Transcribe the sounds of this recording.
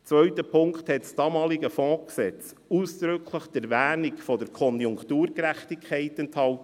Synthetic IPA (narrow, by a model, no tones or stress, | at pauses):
t͡svœɥtəpʰʊŋkthɛtsd̥ɑmɑːliɡəfɔ̃ːksɛt͡s | uːsd̪̥ɾʏkʰləχd̥ɛɾvæːnikfɔdəɾkʰɔnjʊŋktuːɾkɾæχtikʰχɛɪtɛnthɑwt